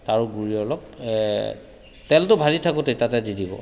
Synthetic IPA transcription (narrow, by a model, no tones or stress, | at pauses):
taɹuɡuɹiɔlɔk̚ | tɛltʊbʱaditʰakʊtetatɛdidʱibɔ̰